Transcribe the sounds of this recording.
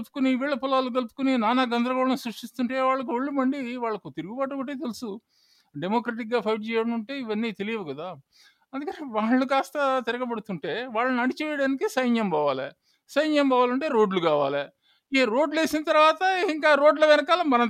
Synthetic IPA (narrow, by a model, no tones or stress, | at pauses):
pu̥kuniʋiːɭːɐpulaːluɡɐlpu̥kuninaːnaɡɐnd̪ɾɐɡɔːɭɐnsɾuʂʈist̪uɳʈe̞ːʋaːɭːɐk̬uʋoɭːumɐɳɖiʋaːɭːɐkut̪iɾuɡubaːʈ̬okɐʈeːt̪̬elusu | ɖemoːkɾeːʈik̚ɡaːpʰɐjʈd͡ʒijɐɐnuɳʈe̞ːiʋɐnːiːt̪e̞lijɐʋuɡɐd̪aː | ɐnd̪ukɐneʋaːɭːukaːst̪ɐt̪iɾɐɡɐbɐɽut̪uɳʈe̞ːʋaːɭːɐnɐɽit͡ʃɛːjɐɽaːnikisɐjnjɐmbaːʋaːlḛ | sɐjnjɐmbaːʋaːlɐɳʈe̞ːɾo̞ːɖlukaːʋa̰ːle | eɾo̞ːɖle̞ːsinɐt̪ɐɾʋaːt̪ɐiŋkaːɾo̞ːɖlɐʋɛnɐkaːlɐmɐnɐ